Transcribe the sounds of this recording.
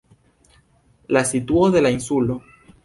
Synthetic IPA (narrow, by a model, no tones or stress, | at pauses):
lasit̪woðelainsulo